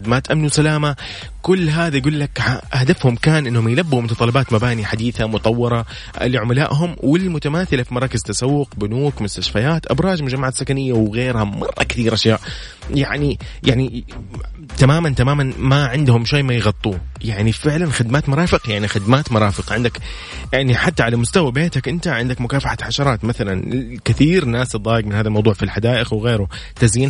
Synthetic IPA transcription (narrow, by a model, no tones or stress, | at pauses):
ɪd̪maːt̪ʔamnwsalaːma | kʊlːɦaːðajɡuːlːakʕaʔahd̪afhʊmkaːnʔɪnːhʊmjlabːumʊt̪t̪ˤɑlɑbaːt̪mabaːniħad̪iːθamʊt̪ˤɑwːɑɾˤɑ̰ | liʕʊmalaːʔɦʊmwɪlmʊt̪amaːθɪlafimɑɾˤɑːkɪzt̪asawːʊq̚bʊnuːkmʊst̪aʃfajaːt̪ʔabɾˤɑːʒmʊd͡ʒamːaʕaːt̪sːakanɪjːawɣeːɾhamɑ̰rˤːɑ̰kθiːɾʔaʃjaːʔ | jaʕnijaʕni | t̪amaːmant̪amaːmanmaʕɪnd̪hʊmʃaːmajɣɑt̪ˤːuːjaʕnifɪʕlanxɪd̪maːt̪mʊɾˤɑːfɪqjaʕnixɪd̪maːt̪mʊɾˤɑːfɪqʕɪnd̪ak | jaʕniħat̪ːaʕalamʊst̪awabeːt̪akʔɪnt̪aʕɪnd̪akmʊkaːfaħaħaʃɑɾˤɑːt̪maθalankɪθiːɾnaːsɨd̪ˤːɑːjɪɡmɪnhaːðalmɑwd̪ˤuːʕfilħad̪aːʔɪxwɪɣeːɾʊ | t̪aziːn